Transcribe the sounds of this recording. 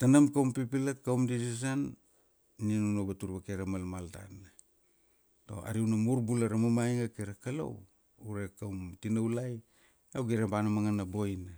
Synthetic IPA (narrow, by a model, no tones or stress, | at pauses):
tanamkawmpipilakːawmdid͡ʒis̬an | nianunobatuɾbakeɾamalmalta̰na | to̞̰a̰ɾiwnamuɾbulaɾamamajŋakeɾakalo̰w | uɾekawmtinawlaj | awɡiɾabanamaŋanabojna